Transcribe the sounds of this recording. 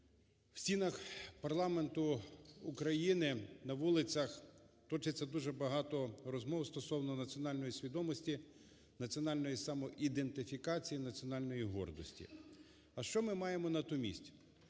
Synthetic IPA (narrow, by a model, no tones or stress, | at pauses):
w̥sʲinɐxpɐrlˠɑme̞nt̪ʊukɾɐjinɪnɐʋulˠɪt͡sʲɐxt̪ɔt͡ʃɪt͡sʲːɐd̪uʒɛbɐɦɑt̪ɔrɔzmɔwst̪ɔsɔwnɔnɐt͡sʲɔnɑlʲnɔjisʲʋʲid̪ɔmɔsʲtʲi | nɐt͡sʲiɔnɑlʲnɔjisɑmɔʔid̪ent̪ɪfʲikɑt͡sʲijinɐt͡sʲiɔnɑlʲnɔjiɦɔ̰rd̪ɔsʲtʲḭ | ɐʃt͡ʃɔmɪmɑjemɔnɐt̪umʲḭsʲtʲ